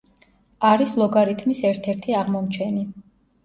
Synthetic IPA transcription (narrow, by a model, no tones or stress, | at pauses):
aɾislˠɔɡaɾit̪ʰmisɛɾt̪ʰɛɾt̪ʰiaʁmɔmt͡ʃʰɛni